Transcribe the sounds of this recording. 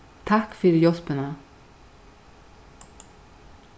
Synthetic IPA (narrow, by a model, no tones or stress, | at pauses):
t̪ʰakfiːɾjɔspɪna